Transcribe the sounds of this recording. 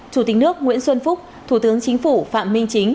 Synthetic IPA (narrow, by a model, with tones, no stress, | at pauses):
t͡ɕu˧˩t̪ï˨˦k̚nɨ˦˥ək̚ŋwḭ˧˥ənswə˧nfʊ˦˥k͡p̚ | t̪ʰu˧˩t̪ɨ˨˦əŋt͡ɕï˨˦ŋ̟fu˧˩fa̰ː˧˨mːï˧ŋ̟t͡ɕi˨˦ŋ̟